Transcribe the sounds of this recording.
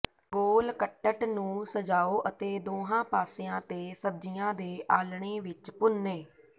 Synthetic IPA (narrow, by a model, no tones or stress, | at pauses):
ɡoːlkəʈːəʈnũːsəd͡ʒaːoːʔət̪eːd̪oːɦãːpaːseːãːt̪eːsəb̚d͡ʒɪjãːd̪eːʔaːlɳeːʋɪt͡ʃpʊneː